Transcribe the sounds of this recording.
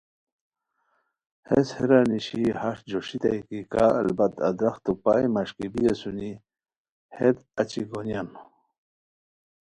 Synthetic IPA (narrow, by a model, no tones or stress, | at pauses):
heshiɾaniɕihaʂd͡ʑoʂit̪ajkikaɐ̰lbat̪ɐ̰d̪ɾaxt̪upaimaɕkibijesuni | hed̪ɐt͡ɕiɡonjan